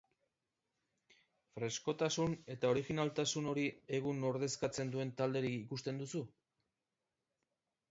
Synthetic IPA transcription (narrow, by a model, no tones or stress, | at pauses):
fɾe̞sko̞t̪asune̞t̪ao̞ɾiɣinalt̪asuno̞ɾie̞ɣ̞uno̞ɾð̞e̞skat͡se̞nd̪ue̞nt̪ald̪e̞ɾikikust̪e̞nd̪usu